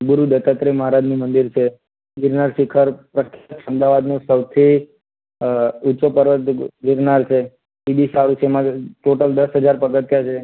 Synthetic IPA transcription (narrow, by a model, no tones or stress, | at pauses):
buɾud̪ət̪at̪ɾeməɦɾad͡ʒnimənd̪iɾt͡ʃʰe | ɡɪɾnaɾsɪkʰəɾpɾəkʰjat̪t͡ʃʰəmd̪aʋad̪nõsəwt̪ʰi | utːt͡ʃopəɾʋət̪ɡɪɾnaɾt͡ʃʰe | ibisaɽut͡ʃʰeemãʈoʈəld̪əsɦəd͡ʒaɾpəɡət̪jat͡ʃʰe